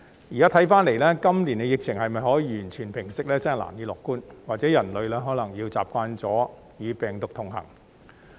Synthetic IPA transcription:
ji˨˩kaː˨˥t̪ʰɐ˨˥jfaː˥nle˨˩jlɛː˥kɐ˥mliː˨˩nkɛ˧jɪ˨k̚t͡sʰɪ˨˩ŋhɐ˨jmɐ˨jɦɔː˨˥jiː˧jyː˨˩nt͡sʰyː˨˩npʰɪ˨˩ŋsɪ˨˥k̚lɛː˥t͡snɐ˨˩la̰ː˨˩njiː˧lɔː˨kːuː˥nwaː˨k̚t͡sɛː˨˥jɐ˨˩nlɵ˨˧ɥlɛː˥ɦɔː˨˥lɐ˨˩ŋjiː˧wt͡sa̰ː˨p̚kʷaː˧nt͡sɔː˨˥ | jyː˨˧pɛː˨ŋt̪ʊ˨k̚t̪ʰʊ˨˩ŋɦɐ̰˨˩ŋ

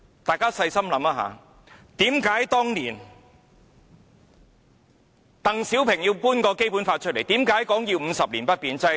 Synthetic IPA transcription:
t̪aː˨jkaː˥sɐ˧jsɐ˥mlɐ˨˥maː˧ɦa̰ː˨˧ | t̪iː˨˥mkaː˨˥jt̪ɔː˥ŋniː˨˩n | t̪ɐ˨ŋsiː˨˥wpʰɪ˨˩ŋjiː˧wpuː˥nkɔː˧ke˥jpuː˨˥nfaː˧t̚t͡ʃʰɵ˥t̚le˨˩jt̪iː˨˥mkaː˨˥jkɔː˨˥ŋjiː˧wm̩˨˧sɐ˨p̚liː˨˩npɐ˥t̚piː˨˧nt͡sɐ˧

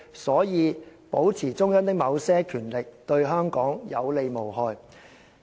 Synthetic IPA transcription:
sɔː˨˥jiː˨˧po˨˥wt͡sʰiː˨˩t͡sʊ˥ŋjœː˥ŋt̪ɪ˥k̚mɐ˨˧wsɛː˥kʰyː˨˩nlɪ˨k̚t̪ɵ˧ɥɦœː˥ŋkɔː˨˥ŋjɐ˨˧wle˧jmo˨˩wɦɔː˨˧j

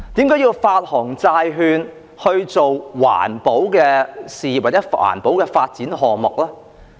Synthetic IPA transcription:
t̪iː˨˥mkaː˨˥jiː˧wfaː˧t̚hɔː˨˩ŋt͡saː˧jɦyː˧n | hɵ˧ɥt͡so˨wwa̰ː˨˩npo˨˥wkɛː˧siː˨waː˨˩t͡sɛː˨˥a̰ː˨˩npo˨˥wkɛː˧faː˧t̚t͡siː˨˥nɦɔː˨mʊ˨k̚lɛː˥

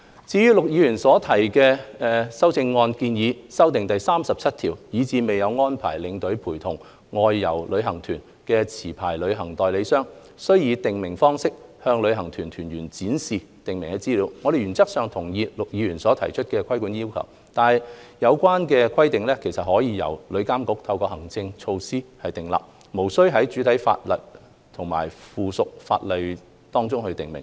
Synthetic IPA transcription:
t͡siː˨˥jyː˥lʊ˨k̚jiː˨˧˥jyː˨˩nsɔː˨˥t̪ʰɐ˨˩jkɛː˧ɛː˧sɐ˥wt͡sɪ˧ŋːɔː˧nkiː˧njiː˨˧sɐ˥wt̪̬ɪ˨ŋt̪ɐ˨jsaː˥msɐ˨p̚t͡sʰɐ˥t̪̚ʰiː˨˩wjiː˨˧t͡siː˧me˨jjɐ˨˧wŋɔː˥npʰa̰ː˨˩jlɪ˨˧˥ŋt̪ɵ˨˥ɥpʰuː˨˩jt̪ʰʊ˨˩ŋ | ŋɔː˧jːɐ˨˩wlɵ˨˧ɥɦɐ˨˩ŋt̪ʰyː˨˩n | kɛː˧t͡sʰiː˨˩pʰa̰ː˨˩jlɵ˨˧ɥɦɐ˨˩ŋt̪ɔː˨jle˨˧jsœː˥ŋ | sɵ˥ɥjiː˧t̪ɪ˨ŋmɪ˨˩ŋfɔː˥ŋsɪ˥k̚hœː˧ŋlɵ˨˧ɥɦɐ˨˩ŋt̪ʰyː˨˩nt̪ʰyː˨˩nɥyː˨˩nt͡siː˨˥nsiː˨ | t̪ɪ˨ŋmɪ˨˩ŋkɛ˧t͡siː˥liː˨˥wŋɔː˨˧d̪e˨jɥyː˨˩nt͡sɐ˥k̚sœː˨ŋt̪ʰʊ˨˩ŋjiː˧lk̚jiː˨˧ɥyː˨˩nsɔː˨˥t̪ʰɐ˨˩jt͡ʃʰɵ˥t̚kɛː˧kʰɐ˥jku˨˥nji˥wkʰɐ̰˨˩w | t̪aː˨˧nhɐ˨jjɐ˨˧wkʷaː˥nkɛː˧kʷʰɐ˥jt̪ɪ˨ŋlɛː˥kʰe˨˩jsɐ˨t̚hɔː˨˥jiː˧jɐ̰˨˩wlɵ˨˧ɥkaː˥mkʊ˧˥k̚t̪ʰɐ˧wkɔː˧hɐ˨˩ŋt͡sɪ˧ŋt͡ʃʰo˧wsiː˥hɐ˨jt̪ɪ˨˩ŋla̰˨p̚ | mo˨˩wsɵ˥ɥɦɐ˨˥jt͡ʃyː˨˥t̪ʰjfa̰ː˧t̚lɐ̰˨˩t̚ | t̪ʰʊ˨˩ŋma̰ː˨˩jfuː˨sʊ˨k̚fa̰ː˧t̚le˨˧j | t̪ɔː˥ŋt͡sʊ˥ŋhɵ˧ɥt̪ɪ˨˩ŋmɪ˨˩ŋ

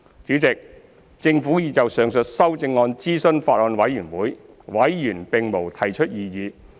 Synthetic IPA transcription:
t͡siː˨˥wt͡sɪ˨k̚ | t͡sɪ˧ŋfuː˨˥jiː˨˧t͡sɐ˨wsœː˨ŋsɵ˨t̚sɐ˥wt͡sɪ˧ŋːɔː˧nt͡siː˥sɵ˥nfaː˧t̚ɔː˨˧nwɐ˨˥jyː˨˩nwuː˨˥j | wɐ˨˥jːyː˨˩npɪ˨ŋmo˨˩wt̪ʰɐ˨˩jt͡ʃʰɵ˥t̚jiː˨jiː˨˧

